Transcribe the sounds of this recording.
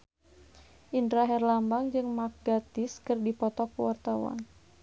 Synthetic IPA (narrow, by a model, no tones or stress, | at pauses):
ʔindɾaɦɛrlambaŋd͡ʒɨŋmak̚ɡat̪ɪskɨrdipɔt̪ɔk̚əwart̪awa̰n